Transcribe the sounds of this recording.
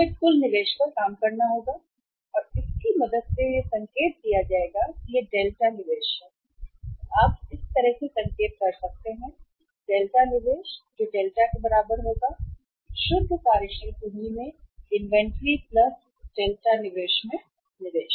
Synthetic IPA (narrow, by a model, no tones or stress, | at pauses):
bɪlkʊlnɪʋeːʃkakaːmkɐɾnaɦoːɡa | ɔːɾɪskimɐd̪əd̪sejesɐ̃ŋkeːt̪̚kijad͡ʒaːeːɡakijeɖeːlʈanɪʋeːʃɦɛː | aːp̚ɪst̪ɐɾəɦsesɐ̃ŋkeːt̪̚kɐɾsɐk̚t̪eɦɛ̃ | ɖeːlʈanɪʋeːʃd͡ʒoːɖeːlʈakebɐɾaːbəɾɦoːɡa | ʃʊd̪ʱpaːɾɪʃəɾkunimẽɪ̃nʋɛ̃ɳʈɾiplɐs | ɖeːlʈanɪʋeːʃmẽ | nɪʋeːʃ